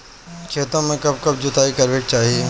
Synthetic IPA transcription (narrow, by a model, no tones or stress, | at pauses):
kʰeːt̪õmẽkɐb̚kɐb̚d͡ʑʊt̪aːikɐɾʋeːk̚t͡ɕaːɦieː